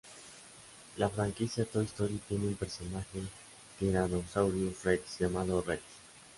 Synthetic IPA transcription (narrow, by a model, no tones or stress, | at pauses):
lafɾaŋkisjat̪oist̪oɾit̪jeneumpeɾsonaxe | k̪eɾanosawɾjufretʝamaðoret̪